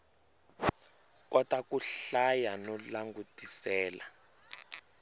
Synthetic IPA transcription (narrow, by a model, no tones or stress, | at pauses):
kɔtakuɬajanɔlaŋɡutisɛːla